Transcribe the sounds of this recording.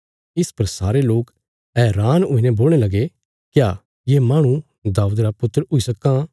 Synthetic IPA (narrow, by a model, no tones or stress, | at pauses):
ɪspɐɾsaːɾeloːk | ɛːɾaːnʊinɛ̃boːlɽ̃elɐɡe | kja | jemãːɽ̃ũ | d̪aːʊd̪ɾapʊt̪ːəɾʊisɐkːã